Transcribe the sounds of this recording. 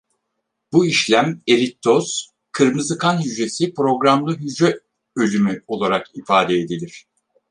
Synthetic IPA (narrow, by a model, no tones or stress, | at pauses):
b̥uiʃlʲæme̞ɾit̪ʰːoz̥ | kʰɯɾmɯzɯkʰanjyd͡ʒe̞sipɾo̞ɡɾamlˠɯɦyd͡ʒɛ | ø̞lʲymyo̞lˠaɾakifaːd̪eːd̪ilʲiɾ̥